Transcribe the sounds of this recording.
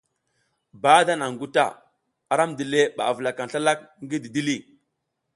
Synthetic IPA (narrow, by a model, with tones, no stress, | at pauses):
ba˦da˦na˨ŋɡu˦ta̰˦˨ | a˨ɾa˦mdi˨le˦ɓa̰˨və˨la˨ka˨n˨ɬa˦la˦k̚ŋ˦ɡi˦di˨di˦li˦˨